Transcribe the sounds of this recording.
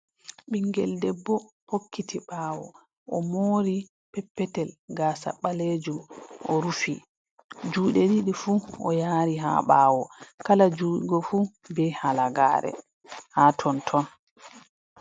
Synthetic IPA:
ɓiŋɡɛ̰ldɛbːɔ | hokːitʰiɓaːwɔ̰ | ʔɔmoːɾi | pɛpːɛtɛlɡaːsa̰ɓaled͡ʒumʔɔɾufi | d͡ʒuːɗɛɗiɗifuʔɔ̰jaːɾiɦa̰ɓaːwɔkalad͡ʒuːɗɡɔfu | bɛhalaɡa̰ːɾɛ̰ | haːtʰɔntʰɔn

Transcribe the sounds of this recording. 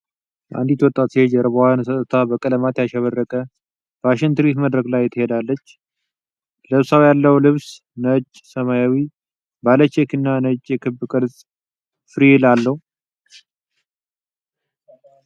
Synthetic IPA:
bʔa̰nd̪it̪wɔt̪ʼːat̪hed͡ʒɛɾəβəhansət̪ʼːət̪ʰabəkʼələmat̪jaʃɛβərːəkʼə | b̥aʃɪnt̪ɨɾit̪məd̪ɾəɡlajːɛt̪ʰəhed̪alːət͡ʃː | ləβsawjalːəwlɨβs | nəd͡ʒ | səmajawi | balət͡ʃːɛkʰɨnːanət͡ʃʼjɛkʰɨbːkʼɨɾzʼ | fɨɾilalːəhu

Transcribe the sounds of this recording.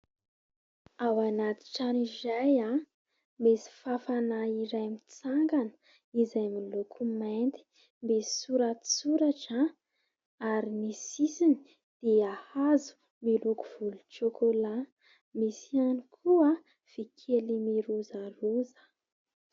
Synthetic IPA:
awanat̪i̥ʈ͡ʂanizaja | mesi̥fafanaiɾajmit͡saŋɡanə̥ | izajmilokʰument̪i̥ | mbesi̥suɾasuɾaʈ͡ʂə | aɾimisisini | d̪̥eahazu̥ | miluku̥v̥uluʈ͡ʂokola | misianikʰuə | v̥ikʰelimiɾuzaruzə̥

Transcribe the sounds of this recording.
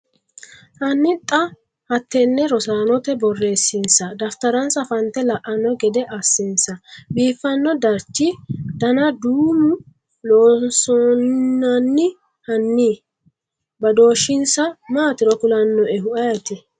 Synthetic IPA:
hɐnːɪt̪ʼːɐ | hɐt̪ːɛnːɛɾɔsaːnɔt̪ɛbɔrːeːsːɪnsɐd̪ɐft̪ɐɾɐnsɐfɐnt̪ːɛlɐʔɐnːɔɡɛd̪ɛʔɐsːɪnsɐbiːfːɐnːɔd̪ɐɾt͡ʃːɪd̪̥ɐnɐd̪uːmʊ | loːnsɔnːɐnːɪ | hɐnːi | bɐd̪o̞ːʃɪnsɐmaːt̪ɪɾɔkʊlɐnːɔɛɦʊʔɐjɐt̪ɪ

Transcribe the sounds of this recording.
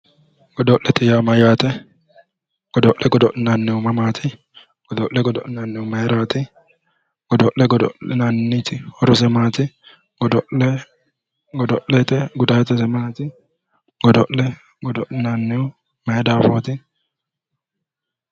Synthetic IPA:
ɡ̥ɔd̪ɔʔʔɛt̪ɪjaːmɐjaːt̪ɛ | ɡ̥ɔd̪ɔʔɛɡɔd̪ɔʔnanːɪʊmɐmaːt̪ʰɪ | ɡ̥ɔd̪ɔʔɛɡɔd̪ɔ̰ʔɛnɐnːɪʊmeːɾaːt̪ɪ | ɡ̥ɔd̪ɔlːɛɡɔd̪ɔɛnanːɪt̪ɪhɔɾɔsɛmaːt̪ɪ | ɡɔd̪ɔɛ | ɡɔd̪ɔʔɛt̪ɛɡʊd̪aːt̪ɛsɛmaːt̪ɪ | ɡ̥ɔd̪ɔlːɛ | ɡɔd̪ɔʔnanːɪʊ | meːd̪aːfoːt̪ɪ

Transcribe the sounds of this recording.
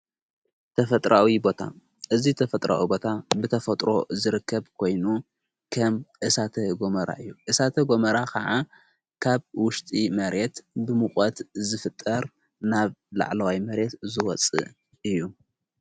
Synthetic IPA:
t̪ʰɐfɐt̪ʼɾʔawibo̞t̪ʰa̰ | ʔɨzit̪ʰɐfɐt̪ʼɾa̰wibo̞t̪ʰabɨt̪ʰɐfɐt̪ʼɾo̞zɨɾɨkʰːɐβkʰo̞jnu | kʰɐmʔɨsat̪ʰɐɡo̞mɐɾa̰ʔɨjːuʔɨsat̪ʰɐɡo̞mɐɾakʰɐʕa | kʰaβwʊʃt̪ʼimɐɾe̞t̪bɨmɨxʼɐt̪zɨfɨt̪ʼːɐɾ | naβla̰ʕlɐwajmɐɾe̞t̪zɨwɔt͡sʼːɨ̰ʔ | ɨjːu

